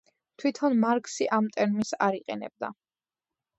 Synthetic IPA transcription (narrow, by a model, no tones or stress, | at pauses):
t̪ʰwit̪ʰɔnmaɾkʼsiʔamt̪ʼɛɾmisaɾiqʼɛnɛ̰b̚d̪a̰